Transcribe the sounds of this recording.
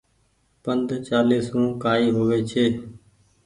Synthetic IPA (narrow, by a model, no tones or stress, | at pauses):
pənd̪ʱt͡ʃaːliːsɦũːkaːiːɦoːʋeːt͡ʃʰeː